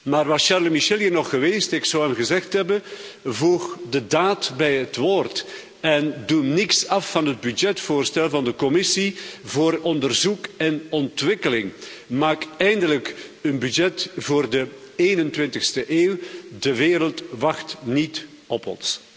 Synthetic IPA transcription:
maːrʋɑsʃarlmiʃɛliənɔχːəʋeːstɪksɔwɛmɣəzɛxtɦɛbənvuxdədaːtbɛjɦətʋoːrt | ɛndunɪksɑfːɑnɦəd̚bydd͡ʒɛtfoːrstɛlˠvɑndəkɔmɪsivoːɾɔndərzukɛnɔntʋɪkəlɪŋmaːkɛjndələkənbydd͡ʒɛtvoːrdə | eːnəntwɪntɪxstəʔeːwdəʋeːɾəlˠtʋɑxtnit | ɔpɔ̰ns

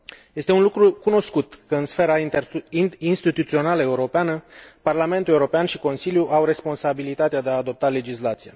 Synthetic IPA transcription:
je̞st̪e̞unlukɾukuno̞skut̪kəɨnsfe̞ɾat̪inst̪it̪ut̪sio̞naləeuɾo̞peanəparlame̞nt̪ule̞uɾo̞peanʃiko̞nsiljuʔawɾe̞spo̞nsabilit̪at̪ead̪e̞aːd̪o̞p̚t̪ale̞d͡ʒislat̪sije

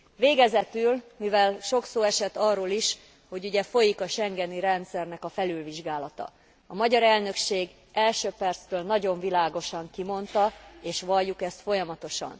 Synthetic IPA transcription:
veːɡɛzɛt̪ylmivɛlʃo̞ksoːɛʃɛt̪ɒrːoːliʃ | ho̞ɟuɟɛfo̞jikɒʃɛŋɡɛniɾɛnt̪sɛrnɛkɒfɛlylviʒɡaːlɒt̪ɒ̰ | ɒmɒɟɒɾɛlnø̞kʃeːɡ | ɛlʃøːpɛrt̪st̪øːlnɒɟo̞ɱvilaːɡo̞ʃɒŋkimo̞nt̪ɒeːʃʋɒlːukɛst̪fo̞jɒmɒt̪o̞ʃɒ̰n

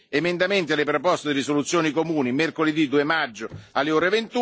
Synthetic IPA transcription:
emend̪ament̪̬ialːepɾopɔst̪ed̪irisolut̪sːjoːnikomuːnimerkoled̪id̪uːemad͡ʒːʊalːeoːɾevent̪u

